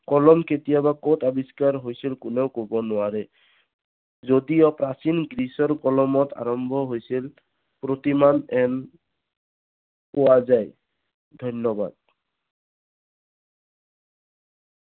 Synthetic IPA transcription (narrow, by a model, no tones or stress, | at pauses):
kɔlɔmket̪ijabakɔtabiskaɹɦojsilkʊneʊkobɔnʊaɹɛ | zodijɔpɹasinɡɹisɔɹkɔlɔmɔtʰa̰ɹɔmbʱɔɦojsil | pɹot̪imanɛn | pɔwazaj | dʱɔnjɔba̰d̪̚